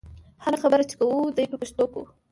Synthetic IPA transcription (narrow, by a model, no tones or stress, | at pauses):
haɾaxabəɾat͡ʃe̥kawud̪ajpəpaʃt̪okṵ